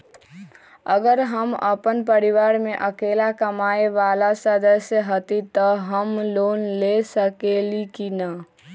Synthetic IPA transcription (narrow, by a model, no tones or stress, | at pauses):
əɡəɾɦəmə̰pənpəɾiʋaɾmeʔəkelakəmaeʋalasəd̪əsjəɦət̪it̪əɦəmlonlesəkelikinə